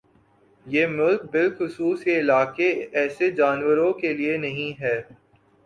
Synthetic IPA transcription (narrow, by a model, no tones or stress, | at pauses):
jeːmʊlk̚bɪlxʊsuːseɪlaːkeɛːsed͡ʒaːnwəɾõkelienɐɦĩɦɛː